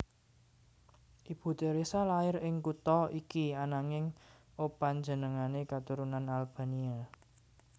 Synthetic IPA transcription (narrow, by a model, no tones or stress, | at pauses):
ʔib̥ṳt̪eɾesalaɪɾɪŋkut̪ɔikianaŋɪŋ | opaɲd͡ʒənəŋanekat̪uɾunanalb̥a̤nia